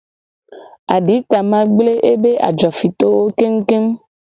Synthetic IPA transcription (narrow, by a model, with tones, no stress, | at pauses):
a˨ɖi˨˦t̪a˨mã˦ɡ͡ble˦ʔe˦be˦ʔa̰˨d͡ʒɔ˨fi˨t̪o˦wo˦ke˦m̩˦ke˦m